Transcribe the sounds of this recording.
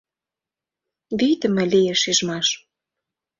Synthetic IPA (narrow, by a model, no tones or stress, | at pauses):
βit̪ə̆mĕlijeʃiʒmɑʃ